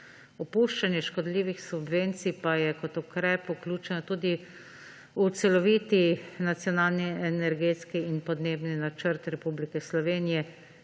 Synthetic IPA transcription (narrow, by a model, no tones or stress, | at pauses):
ɔpuːʃt͡ʃanjɛʃkɔd̪liːʋixsubʋeːnt̪sipajɛkɔt̪ukɾɛːpuklʲuːt͡ʃɛnɔt̪uːd̪i | ut̪sɛlɔʋit̪inat̪sjɔnalniɛnɛɾɡet̪skiːnpɔd̪neːbninat͡ʃəɾt̪ɾɛpublikɛslɔʋeːnijɛ